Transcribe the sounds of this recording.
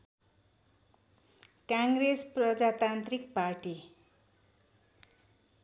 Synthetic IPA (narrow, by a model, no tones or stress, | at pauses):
kaŋɡresprʌd͡zat̪ant̪ɾik̚parʈi